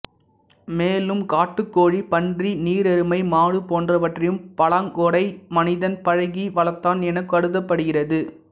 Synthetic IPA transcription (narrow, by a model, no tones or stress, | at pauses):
meːlɯmkaːʈːɯkːoːɻipɐndriniːɾɛɾɯmɐɪmaːɻɯpoːndrɐʋɐʈrɐjɯmpɐɭɐŋɡɔɽɐɪmɐnɪðɐnpɐɻɐɣiʋɐlɐt̪ːaːnɛnɐkːɯɐɽɯðɐpːɐɽɯɣɪrɐðɯ